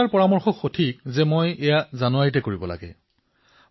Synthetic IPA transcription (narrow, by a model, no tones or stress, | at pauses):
aɹpɔɹamɔɹxɔkxotʰik̚zɛmojɛjazanʊaɹitɛkoɹibɔla̰ɡɛ̰